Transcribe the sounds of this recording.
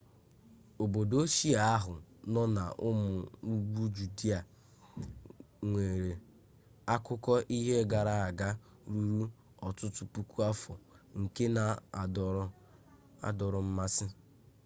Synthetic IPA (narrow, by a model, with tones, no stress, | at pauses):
o˨bo˨do˦ʃi˦a˨a˦ɦʊ˨nɔ˦na̰˨ʔʊ˦mʊ˨u˦ɡ͡bu˦d͡ʒu˨di˦a˨ | ŋʷe˨ɾe˨ | a˦kʊ˦kɔ˦ʔi˦ɦe˦ɡa˨ɾa˦a˨ɡa˦ | ɾu˦ɾu˦ | ɔ˨tʊ˦tʊ˦pu˦ku˦a˦fɔ˨ | ŋ̩˨ke˦na˨˦ | a̰˨dɔ˨ɾʊ˨m̩˦ma˦sɪ˦